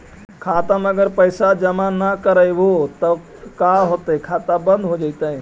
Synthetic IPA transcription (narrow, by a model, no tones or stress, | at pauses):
kʰaːt̪əməɡəɾpəjsad͡ʒəmanəkəɾəjbot̪ə | kaɦoːt̪əkʰaːt̪abə̃nd̪ɦod͡ʒat̪əẽ